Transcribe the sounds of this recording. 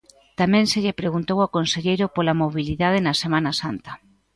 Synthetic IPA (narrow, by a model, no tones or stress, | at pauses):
t̪amɛ̃nseʎɪpɾeɣunt̪owakonseʎejɾopolamoβiliðað̞enɐsemãnɐsant̪ɐ